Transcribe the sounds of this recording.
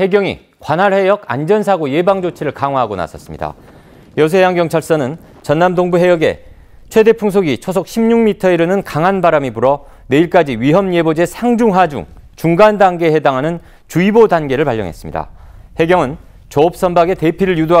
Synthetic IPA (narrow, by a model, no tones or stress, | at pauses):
he̞ɡjʌŋḭ | kwanɦaɭhe̞jʌɡa̰nd͡ʑʌnsʰaɡoje̞baŋd͡ʑot͡ɕʰiɾɯɭkaŋwaɦaɡona̰sʰʌs͈ɯmɲḭda̰ | jʌs̬ʰejaŋɡjʌŋt͡ɕʰaɭs͈ʌnɯn | t͡ɕʌnːamdoŋbuɦe̞jʌɡe̞̰ | t͡ɕʰwe̞de̞pʰuŋsʰoɡit͡ɕʰos̬ʰok̚ɕʰimɲuŋmitʰʌeɾɯnɯnkaŋɦanbaɾamibuɾʌ | ne̞iɭk͈ad͡ʑiɥiɦʌmje̞bod͡ʑe̞sʰaŋd͡ʑuŋɦad͡ʑṵŋ | t͡ɕuŋɡandaŋɡe̞he̞daŋɦanɯn | t͡ɕuibodanɡe̞ɾɯɭpaʎːjʌŋɦes͈ɯ̥mɲḭda̰he̞ɡjʌŋɯn | t͡ɕʌop̚s͈ʌmbaɡe̞te̞pʰiɾɯɭjudo